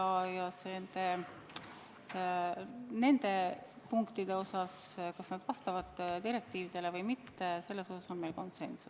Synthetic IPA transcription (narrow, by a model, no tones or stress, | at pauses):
ɑjɑsend̪̥e | ne̞nd̪̥e̞ | puŋkt̪id̪̥e̞o̞sɑskɑsnɑd̪̥vɑst̪ɑvɑd̪̥d̪iɾe̞k̚t̪iːvid̪̥e̞le̞vɤjmit̪ːe̞se̞lːe̞so̞sɑso̞nme̞lko̞nse̞nsu